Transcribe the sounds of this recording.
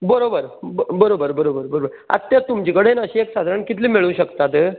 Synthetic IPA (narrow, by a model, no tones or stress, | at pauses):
bəɾobəɾbəɾobəɾbəɾobəɾbəɾobəɾ | ə̰t̪ːjat̪ːumd͡ʑikəɽenəɕiːeksad̪ʱaɾaɳkit̪liːmeɭũːɕəkt̪at̪